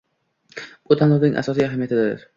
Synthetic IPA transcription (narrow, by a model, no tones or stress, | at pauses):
b̥ʊt̪ʰanlˠɒwnɪŋʔa̰sɒsijaɦamijat̪ʰɪd̪ɪ̰ɾ